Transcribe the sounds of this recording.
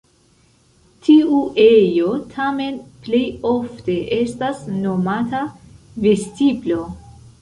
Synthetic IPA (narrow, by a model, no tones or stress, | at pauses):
tʰiuʔe̞jo̞tʰame̞nplejo̞fte̞ʔestasno̞mata | ve̞stiblo̞